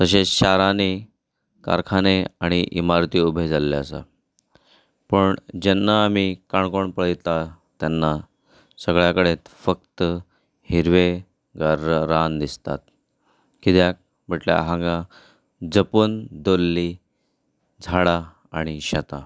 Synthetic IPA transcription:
t̪əɕ̬eɕaɾani | ka̰ɾkʰaneaɽ̃iʔimaɾt̪iːubʱed͡zalːeəsə̰ | pəɳd͡ʑenːaːmikaɳkoɳpəɭjt̪a | t̪janːa | səɡɭjakəɽet̪fək̚t̪ə | hiɾʋe | ɡaɾəɾand̪ist̪a̰t̪̚ | kit̪jak̚ | bʱəʈlja̰ɦãŋɡa | d͡zəpuːnd̪olːi | d͡zʱaɽa | aɽ̃iɕat̪a

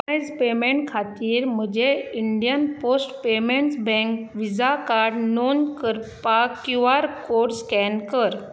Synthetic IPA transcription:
jd͡zpemeɳʈkʰat̪iːɾməd͡ʑeiɳɖijənposʈpemeɳʈsbɛ̃ŋkʋid͡zakaɾɖnonkəɾpakjuʋaɾkoɽskɛnkəɾ

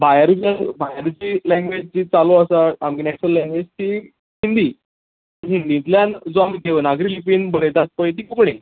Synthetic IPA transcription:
bajaɾd͡ʑiabʱajaɾd͡ʑilɛ̃ŋɡʋed͡ʑt͡ɕiːt͡saloəsata̰mkinɛksəlːɛ̃ŋɡʋed͡ʑt̪iː | hind̪iː | aiɦind̪iːnt̪ljand͡zoamiɡʱeʋənaɡɾilipiːnbəɽet̪at̪̚pəjt̪iːkukɳe

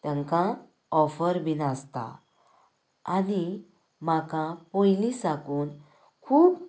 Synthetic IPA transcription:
t̪jãŋkã | ɔfəɾbʱinast̪a̰ | ani | makãpojlisakuːn | kʰuːb

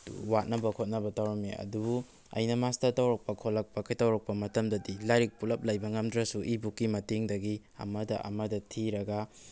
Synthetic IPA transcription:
wat̚nɐbɐkʰot̚nɐbɐtawɾɐmḛɐ̰dubu | ɐ̰jnɐmastɐtɐwɾɐk̚pɐkʰolɐk̚pɐkʰɐjtɐwɾɐk̚pɐmɐtɐmdɐdilaɾik̚pulɐp̚lajbɐŋɐmdɾɐsuʔibukːimɐteŋdɐɡi | ɐ̰mɐdɐ̰ʔɐ̰mɐdɐtʰiɾɐɡɐ

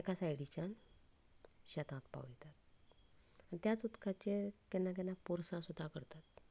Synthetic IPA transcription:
kasajɽit͡ɕan | ɕɛt̪ãt̪pa̰wd͡ʑet̪at̪̚ | at̪jat͡sut̪kʰat͡ɕekɛnːak̬ɛnːapuɾsãsud̪ʱːakəɾt̪at̪

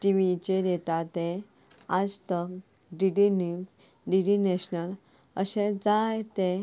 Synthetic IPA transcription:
ʈiʋit͡ɕeɾet̪at̪e | ad͡zt̪ək | ɖiɖinis | ɖiɖineɕnəl | ə̰ɕẽd͡zajt̪e

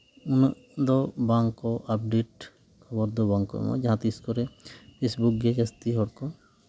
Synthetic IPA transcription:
unʔ | d̪ɔbaŋkɔʔap̚ɖeʈ | kʰɐbɔɾd̪ɔbãŋkɔ̰mã̰d͡ʒaɦãt̪iskɔɾɛpʰesbuk̚ɡed͡ʒɐst̪iɦɔɽkɔ

